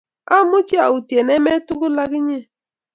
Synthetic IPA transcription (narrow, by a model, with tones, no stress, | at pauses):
a˦mʊ˦t͡ʃi˦a̰˨u˨tje˨ne˦me˦tʊ˦ɡʊ˦la˦ɡɪ˦ɲe˦